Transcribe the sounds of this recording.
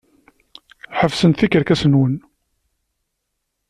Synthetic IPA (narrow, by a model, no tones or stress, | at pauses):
ħəvsənθikəɾkæsənwən